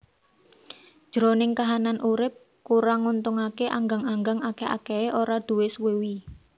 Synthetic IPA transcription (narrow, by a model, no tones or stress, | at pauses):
d̥ʒ̥ɾonɪŋkaɦananʔuɾɪp̚ | kuɾaŋunt̪ʊŋakeʔaŋɡaŋaŋɡaŋakea̰kɛeʔoɾad̪̥ṳwɪswewi